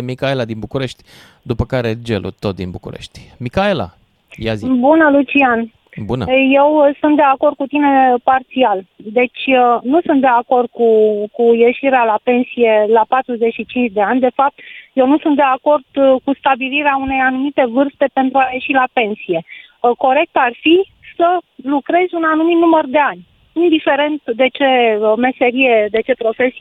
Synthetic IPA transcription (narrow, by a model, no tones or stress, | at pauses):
mikaelad̪inbukuɾe̞ʃt̪ʲ | d̪upəkaɾed͡ʒḛlṵt̪o̞t̪̚d̪ḭnbukṵɾḛʃt̪ʲmikaela̰ | jazbunəlut͡ʃian | bunəje̞wsunt̪̚d̪e̞ako̞rd̪̚kut̪ine̞part̪siald̪e̞t͡ʃʲnusunt̪d̪e̞ako̞rd̪̚kukuje̞ʃiɾealape̞nsije̞lapat̪ɾuze̞t͡ʃʃit͡ʃint͡ʃʲd̪e̞anʲd̪e̞fap̚t̪je̞wnusunt̪d̪e̞ako̞rd̪̥kust̪abiliɾeaune̞janumit̪e̞vɨrst̪e̞pe̞nt̪ɾuaje̞ʃilape̞nsije̞ | ko̞ɾe̞k̚t̪arfi | səlukɾe̞zʲunanumit̪numərd̪e̞anʲ | ind̪ife̞ɾe̞nt̪d̪e̞t͡ʃe̞me̞se̞ɾije̞d̪e̞t͡ʃe̞pɾo̞fe̞si